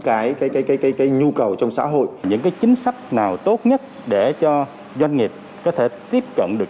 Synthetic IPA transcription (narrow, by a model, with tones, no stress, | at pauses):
kaː˨˦jkaː˨˦jkaː˨˦jkaː˨˦jkaː˨˦jkaː˨˦jɲu˧kə˨˩wt͡ɕɔ˧wŋ͡msa̰ː˧˥ɦo̰˧˨jɲɨ̰˧˥ŋkaː˨˦jt͡ɕï˨˦ŋ̟sa˦˥jk̟̚naː˨˩wt̪o˦˥t̚ɲə˦˥t̚ | ɗe˧˩t͡ɕɔ˧ | zwa˧jŋ̟ŋi˨˩p̚ | kɔ˨˦t̪ʰe˧˩t̪i˦˥əp̚kə̰˧˨nɗɨ˨˩ək